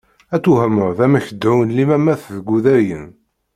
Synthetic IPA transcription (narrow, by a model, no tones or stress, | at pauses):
æt͡sːuɦəməɾðæmæçəd̪ːuwnlimæmæθðɡuðæjən